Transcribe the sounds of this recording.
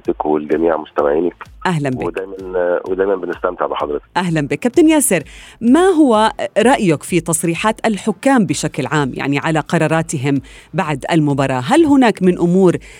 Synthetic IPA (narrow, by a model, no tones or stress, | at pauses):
t̪ɪkwɪlɡæmiːʕmʊst̪amaʕiːnɪkʔaɦlambɪd̪æjmænwed̪æːjmænbɪnɪst̪æmt̪ɪʕbɪħɑd̪ˤɾɨt̪ɪ̥kʔaɦlanbiːkːab̚t̪ɪnjaːsɪɾmaɦʊwaɾˤɑʔjʊkfit̪ɑsˤɾiːħaːt̪ʔalħʊkːaːmbɪʃaklʕaːmja̰ʕniʕalaqɑɾˤɑːɾˤɑːt̪ɪɦɪmbaʕd̪ʔa̰lmʊbɑːɾˤɑːɦalɦʊnaːkmɪnʔʊmuːɾ